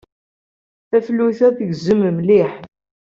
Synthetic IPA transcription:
θæflːuθæðəʝzəməmliħ

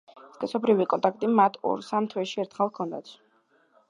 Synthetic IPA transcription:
skʼɛsɔbɾivikʼɔnt̪ʼak̚ʰt̪ʼimat̪ʰɔ̰ɾsamt̪ʰwɛʃiɛɾt̪ʰχɛlˠkʰɔnd̪a̰t̪ʰ

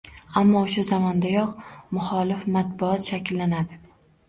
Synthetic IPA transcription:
amːɒʊʃazamɒnd̪ajɒqmʊχɒlɪfmat̪̚bʊɒt̪ʃakʲɪlːanad̪ɪ

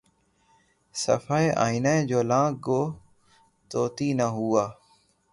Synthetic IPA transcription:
sə̰faːeʔa̰ːinãd͡ʒoːlãːk̚ɡoː | t̪oːt̪iːnəɦuːaː

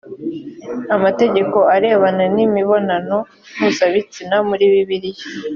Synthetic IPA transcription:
amate̞ɟe̞ko̞aɾe̞ːβananimiβo̞nano̞ | nuzaβit͡sinamuɾiːβiβiɾije

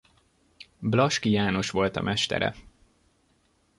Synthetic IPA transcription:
blɒʃkijaːno̞ʃʋo̞lt̪ɒ̰mʔɛʃt̪ɛ̰ɾɛ̰

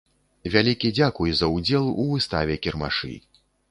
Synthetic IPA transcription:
vʲalʲikʲid͡zʲakujzɐud͡zʲɛlˠuvɨst̪a̰vʲɛkʲɛrma̰ʂɨ̰

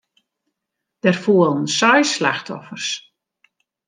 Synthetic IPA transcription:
d̥ɛrfuːəlˠn̩sɔjslaxtʰɔ̰fərs

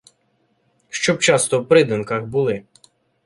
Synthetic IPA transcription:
ʃt͡ʃɔb̚t͡ʃɑst̪ɔwpɾɪd̪ɪnkɐxbulˠɪ

